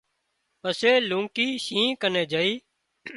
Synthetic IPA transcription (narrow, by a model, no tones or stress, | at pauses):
pəseːlũːŋkiːʃĩːkənẽːd͡ʒaːiː